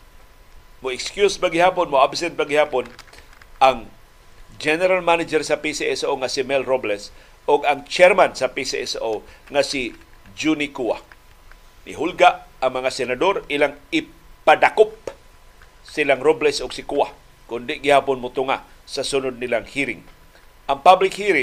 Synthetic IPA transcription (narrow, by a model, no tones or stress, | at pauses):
mʊɪkskjuspaɡɪhaːponmoʔabsɛnt̪̚baɡɪhaːponʔaŋ | d͡ʒɛnɛɾalmanad͡ʒɛɾsapisiɛsoŋasɪmɛlɾoblɛs | ʊɡaŋt͡ʃɛɾmansapisiʔɛsoŋasɪd͡ʒunikua̰ | nɪ̰ɦulɡaʔaŋmɐŋasɛnad̪oɾɪlaŋɪpad̪akʊp̚ | sɪlaŋɾoblɛsʔʊɡ̥sɪkua̰ | kʊnd̪ɪɡɪhaːponmot̪ʊŋa | sasʊnʊd̪̚nɪlaŋhiɾɪŋ | ʔaŋpablɪk̚hiɾɪŋ